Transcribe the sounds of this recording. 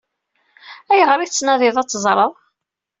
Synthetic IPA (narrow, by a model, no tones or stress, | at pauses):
æjəʁɾˤit͡sːnæðˤɪðˤæt͡sːzˤɾˤəðˤ